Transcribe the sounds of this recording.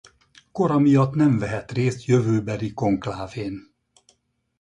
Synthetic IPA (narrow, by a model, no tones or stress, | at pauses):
ko̞ɾɒmijɒt̪nɛɱvɛɦɛt̪reːst̪jøvøːbɛliko̞ŋklaːveːn